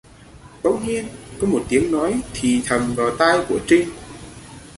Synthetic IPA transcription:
ɗə˨˧˦wŋ͡mɲi˧ənkɔ˨˦mo˨˩t̚t̪i˨˦əŋnɔ˨˦jt̪ʰi˨˩t̪ʰə˨˩mvaː˨˩wt̪aː˧jku˧˩ət͡ɕï˧ŋ̟

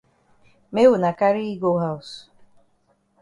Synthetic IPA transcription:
me˦ɣʊ˨na˨ka˦ɾi˦i˦ɡo˦ɦa˦ʊ˨s

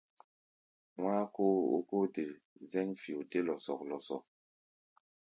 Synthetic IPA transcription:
waː˦ko˦o̰˦ko˦te˨ | zɛ˦ŋfi˨o˨te˦lɔ˨sɔ˨k̚lɔ˨sɔ̰˨k̚

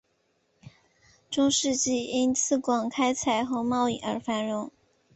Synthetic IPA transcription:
ʈ͡ʂʊ˥ŋʂɻ̩˥˧t͡ɕi˥˩i˥nt͡sʰɹ̩˥˩kwɑ˨˩ŋkʰa˥ɪt͡sʰa˨˩ɪxɤ˧˥mɑ˥˧ʊi˥˩ʔə˞˧˥fa˧˥nɻʊ˧˥˦ŋ

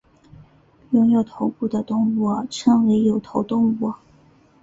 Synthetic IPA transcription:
jʊ˧˥ŋjo˨˩ʊt̪ʰo˧˥ʊku˥˩d̪ə˩t̪ʊ˥ŋɔ˧˥ʈ͡ʂʰɤ˧˥ŋwe˧˥ɪjo˨˩ʊt̪ʰo˧˥ʊt̪ʊ˥ŋɔ˧˥

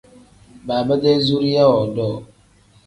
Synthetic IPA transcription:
baː˨bə˦dɛ˦zu˦ɾi˦ja˦wɔ˨dɔː˦˨

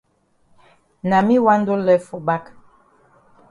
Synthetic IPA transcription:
na˨mi˦wa˦n˦do˦lɛ˦fo˨ba˦k

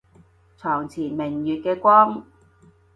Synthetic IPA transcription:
t͡sʰɔː˨˩ŋt͡sʰiː˨˩nmɪ˨˩ŋjyː˨t̚kɛː˧kʷɔː˥ŋ

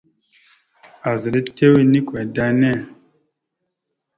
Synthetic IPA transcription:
a˨zi˨le˦te˦wi˦ni˦kwɛ˨da˦nɛ˦˨

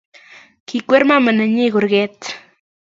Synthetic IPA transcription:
kikʷe˦ɾmama˨na˨ɲi˦ɣʊ˨ɾɡe˦t̪

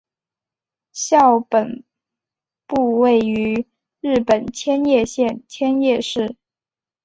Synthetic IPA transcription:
ɕjɑ˥˩ʊpə˨˩n | pu˥˧we˥˩ɪy˧˥˧ | ɻ̩˥˩pə˨˩nt͡ɕʰjɛ˥njɛ˥˧ɕjɛ˥˧nt͡ɕʰjɛ˥njɛ˥˧ʂɻ̩˥˩

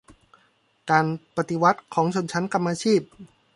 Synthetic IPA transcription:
kaː˧npa˧t̪i˧wa˦˥t̪̚kʰɔː˩˦ŋt͡ɕʰo˧nt͡ɕʰa˦˥nka˧mːaː˧t͡ɕʰiː˥˩p̚

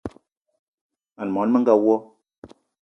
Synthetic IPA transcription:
a˨n˨mɔ˨˦n˦mə˦ŋ˦ɡa˦wɔ˦

